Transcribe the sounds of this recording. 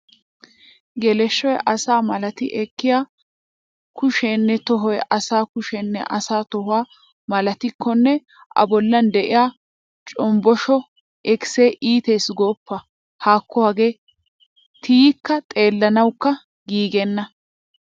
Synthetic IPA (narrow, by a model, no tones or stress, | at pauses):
ɡɛlɛʃːɔjʔɐsaːmɐlɐt̪ɪ̰ʔɛkːɪjaː | kʊʃenːɛt̪ɔɦɔjʔɐsaːkʊʃɛnːɛ̰ʔɐsaːt̪ɔɦʊwaː | mɐlɐt̪ɪkʰːɔnːɛ | ʔɐ̰bɔlːɐnd̪ɛʔɪjaː | t͡ʃʼɔmbɔʃɔ | ʔɛkɪ̥seːʔiːt̪eːsɡoːpːɐ | haːkːɔhɐɡeː | t̪iːkːɐt̪ʼe̞ːlːɐnɐwkːɐ | ɡiːɡɛnːɐ